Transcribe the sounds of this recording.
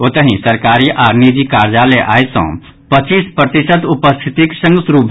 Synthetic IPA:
oːt̪əɦĩsəɾkaːɾiʔaːɾnid͡ʒikaːɾd͡ʒaːleʔa̰ːesõ̰ː | pət͡ʃiːspɾət̪ɪsəd̪ʊpəst̪ʰɪt̪iksə̃ŋɡsɾuːbʱ

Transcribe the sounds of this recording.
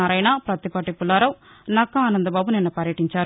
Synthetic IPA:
aːɾɐjnapɾɐt̪ipɐʈipulaːɾɐw | nɐkːɐaːnɐnd̪ɐbaːbuninːɐpɐɾjɐʈiɲt͡ʃaːɾu

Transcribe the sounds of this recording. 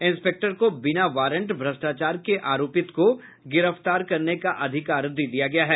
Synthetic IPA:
ɪ̃nspeːk̚ʈəɾkobɪnaʋaːɾə̃ɳʈbʱɾɐsʈaːt͡ʃaːɾkeʔaːɾoːpɪt̪ko | ɡɪɾəft̪aːɾkɐɾnekaʔɐd̪ʱɪkaːɾd̪id̪ijaɡɐjaɦɛː

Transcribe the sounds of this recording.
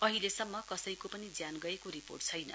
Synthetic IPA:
ʌɦilesʌmːʌkʌsʌjkopʌnid͡zjanɡʌekoɾipo̰rʈ̚t͡sʰʌjnʌ̰

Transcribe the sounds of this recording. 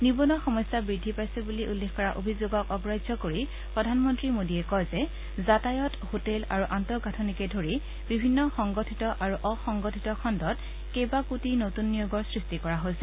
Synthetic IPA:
nibɔnɔxɔmɔjsabɹidʱːipajsɛbuliʔulːexkɔɹaʔobʱizoɡɔkɔbɹajzɔkoɹi | pɹɔdʱanmɔntɹimodiɛkɔjzɛ | zatajɔthotɛla̰ɹuʔantɔɡatʰɔnikɛdʱoɹi | bibʱinːɔxɔŋɡotʰitɔʔaɹuʔɔxɔŋɡotʰitɔkʰɔndɔt | kebakutinotunːijoɡɔɹsɹistikɔɹaɦojsɛ

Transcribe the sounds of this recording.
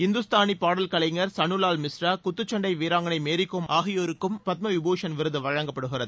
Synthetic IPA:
hɪnd̪ɯst̪aːnipaːɽɐlkɐɭɐɪŋɡɐɾsɐnɯlaːlmɪsɾakʊt̪ːɯt͡ʃːɐɳɖɐɪʋiːɾaːŋɡɐnɐɪmeːɾɪkːoːmʔaːɣɪjoːɾɯkːɯmpɐt̪̚mɐʋɪboːʂɐnʋɪɾɯðɯʋɐɻɐŋɡɐpːɐɽɯɣɪɾɐðɯ

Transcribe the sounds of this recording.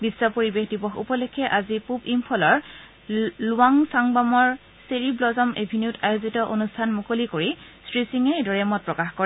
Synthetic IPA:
bisːwɔpoɹibexdibɔxṵpɔlekʰːɛʔazipubimpʰɔlɔɹ | lʊaŋsaŋbamɔɹ | seɹiblɔzɔmebʱiniutajozitɔʔonustʰanmukolikoɹisɹisiŋɛedɔɹɛmɔt̚pɹɔkaxkɔɹɛ

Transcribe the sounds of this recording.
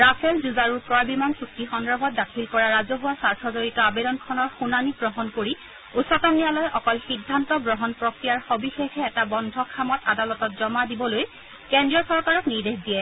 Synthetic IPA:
ɹapʰɛlzuzaɹuɹpɹɔjbimansuk̚tixɔndɹɔbʱɔt̚dakʰilkɔɹaɹazɔɦuwasaɹtʰɔzoɹitɔabedɔnkʰɔnɔɹxunanibɹɔɦɔnkoɹi | usɔtɔmnijalɔjʔɔkɔlxidʱːantɔbɹɔɦɔnpɹokɹijaɹxobixexɛːtabɔndʱɔkʰamɔtadalɔtɔtzɔmadibɔloj | kendɹiɔsɔɹkaɹɔkniɹdexdijɛ

